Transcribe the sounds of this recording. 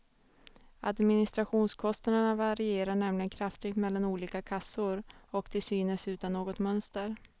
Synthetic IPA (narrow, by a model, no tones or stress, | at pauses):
a̰d̪mɪnɪst̪ɾaɧuːnskʰɔst̪ad̪əɳavaɾɪeːɾaɳɛmlɪɡənkʰɾaft̪ɪɡt̪mɛlːanuːliːkakʰasʊɾɔkd̪ɛsyːnəsʉ̟ːt̪anːoːɡɔt̪mœnst̪əɾ